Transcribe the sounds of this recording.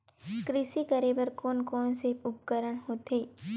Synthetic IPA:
kɾɪsikəɾeːbəɾkɔːnkɔːnseʊpkəɾəɽ̃ɦoːt̪ɦeː

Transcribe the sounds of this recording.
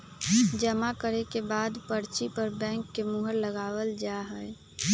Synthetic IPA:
d͡ʒəmakəɾekebad̪pəɾt͡ʃipəɾbɛ̃ŋkːemuɦəɾləɡawəld͡ʒaɦəj

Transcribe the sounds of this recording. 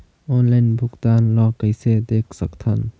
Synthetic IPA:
ɔnlajnbʱukd̪anlɔkəjsed̪ek̚sɐk̚t̪ʰɐn

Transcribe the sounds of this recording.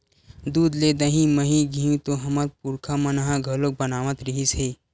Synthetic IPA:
d̪uːd̪led̪əɦĩmɐɦĩɡʱĩũt̪oɦɐmaɾpuɾkʰamɐnɦãɡʱɐlok̚bɐnaːʋət̪ɾəɦiseː

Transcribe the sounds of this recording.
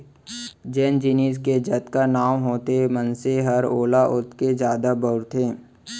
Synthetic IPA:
d͡ʒɛːnd͡ʒɪniːsked͡ʒɐt̪kanaːmɦoːt̪emə̃nseɦɐɾoːlaʔʊt̪ked͡ʒjaːd̪abəʊɾt̪ʰẽː

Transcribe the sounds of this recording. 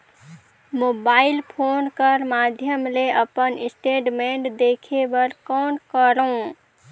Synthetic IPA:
mobailpʰonkəɾmad̪ʱjəmleʔəpənisʈeʈmeɳʈd̪ekʰebəɾkɔnkəɾəũ

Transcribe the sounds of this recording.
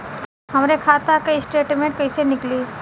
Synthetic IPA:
ɦɐmɾekʰaːt̪akaisʈeːʈmẽɳʈ̚kɐisenɪkliː

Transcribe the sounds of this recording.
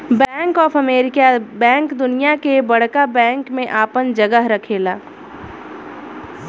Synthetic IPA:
bɛ̃ːŋkɔːfɐmeːɾɪkabɛ̃ːŋkd̪ʊnijakebɐɽkabɛ̃ːŋkmẽʔaːpənd͡ʒɐɡəɦɾɐkʰeːlaː

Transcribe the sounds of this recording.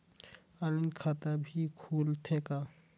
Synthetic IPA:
alinkʰat̪abʱikʰuːlt̪ʰeka

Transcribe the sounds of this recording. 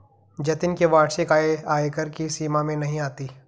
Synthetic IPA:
d͡ʒɐt̪ɪnkeʋaːɽsekaːeaːekəɾkisiːmamẽnɐɦĩaːt̪iː

